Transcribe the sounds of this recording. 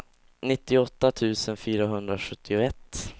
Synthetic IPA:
nɪt̪ːɪɔt̪ːat̪ʰʉ̟ːsənfyːɾaɦɵnd̪ɾaɧɵt̪ʰːɪʊɛt̪ː

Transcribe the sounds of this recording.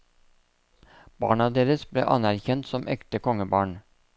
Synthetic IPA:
b̥ɑ̰ːɳɑd̪eːɾəsblḛːʔɑnæɾçɛnt̪sɔmʔɛ̰kt̪əkɔŋəbɑːɳ

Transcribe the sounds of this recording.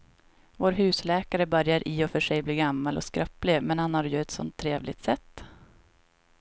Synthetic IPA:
voːɾɦʉ̟ːslɛːkaɾəbœɾjaɾʔɪɔfœʂɛjbliːɡamːalɔ̰skɾœplɪmɛnhanhaɾjɵɛt̪sɔ̰nt̪ʰːɾeːvlɪ̰ɡ̚t̪sɛt̪ː

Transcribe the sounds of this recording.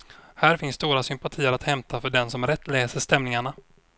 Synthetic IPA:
hæːɾfɪnsːt̪uːɾasʏmpat̪ʰiːəɾat̪hɛmt̪ʰafœɖɛnsɔmɾɛt̪ːlɛːsəʂt̪ɛmnɪŋaɳa

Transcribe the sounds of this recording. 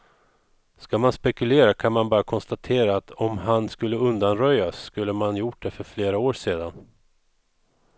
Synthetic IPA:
skamanspɛkɵleːɾakʰanmanbɑːɾakʰɔnst̪at̪ʰeːɾaːt̪ʰɔmɦanskɵlːəɵnd̪anɾœjːaskɵlːəmanjʊʈ̚d̪ɛfœɾfleːɾaoːʂeːd̪an

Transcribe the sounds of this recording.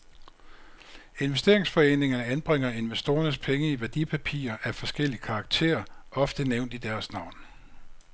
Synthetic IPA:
e̝nʋesd̥e̝ɐ̰e̝ŋsfɒ̽e̝̰ːne̝ŋɐnəænb̥ʁeŋ̰ɐe̝nʋesd̥o̝ːɐnəspʰeŋəiʋæɐd̥ipʰæpʰḭːɐʔæfɒ̽sɡ̥el̰iəkʰɑ̈ːɡ̥̚t͡sʰe̝̰ːɐʔɒ̽fd̥əneʊ̰nd̥id̥æɐsnɑ̈ʊ̰n

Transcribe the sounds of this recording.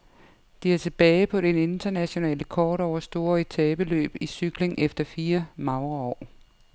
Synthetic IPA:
d̥iæɐt͡sʰe̝b̥ɛːɪpʰɒ̽ɾ̥ene̝nd̥ɐnæɕo̝nɛ̰ːləkʰɒːɾ̥ɒʊɐsd̥o̝ːɐet͡sʰɛːb̥əlø̰ːb̥isyɡ̥le̝ŋʔefd̥ɐfiːɐmɑ̈ʊʁɐɒ̰ː

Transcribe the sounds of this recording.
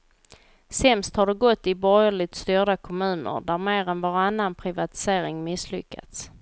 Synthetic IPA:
sɛmst̪haɖɛɡɔt̪ːɪbɔjəɭɪt̪st̪yːɖakʰɔmʉ̟ːnə̰ɾd̪æɾmeːɾɛnvaɾanːanpʰɾɪvat̪ɪ̥seːɾɪŋmɪslʏkːa̰t̪s

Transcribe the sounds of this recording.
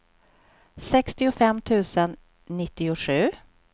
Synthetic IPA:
sɛkst̪ɪʊfɛmːt̪ʰʉ̟ːsənː | ɪt̪ːɪʊʂʉ̟ː

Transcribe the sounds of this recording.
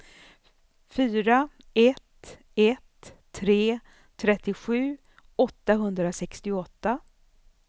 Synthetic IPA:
fyːɾa | ɛt̪ | ɛt̪ʰː | ɾeː | t̪ʰɾɛt̪ːɪɧʉ̟ː | ɔt̪ːaɦɵnd̪ɾasɛkst̪ɪɔt̪ːa

